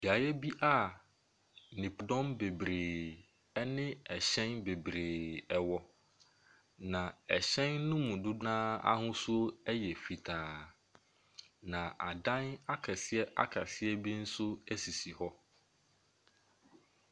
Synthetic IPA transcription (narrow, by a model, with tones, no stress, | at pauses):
bi˨a˨jɛ˦bi˦ʔa˦ | nɪ̃˨pʰʊ˨dɔ̃˦mbe˨bɾeː˨ | ɛ˦nɪ̃˦ɛ˨ɕɛ̃˦nbe˨bɾeː˨ɛ˨wɔ˨˦ | nã˨ɛ˨ɕɛ̃˦nːʊ̃˦mũ˨dʊ˦ãː˦a̰˦hʊ̃˦su˦o˦ɛ˦jɛ˨fi˨tʰaː˨ | nã˨ʔa˨dã˦na˦kʰɛ˨sɪ˦ɛ˦ʔa̰˦kʰa˨sɪ˦ɛ˦bi˦n̩˦sʊ˦ɛ˦si˨si˨hɔ˦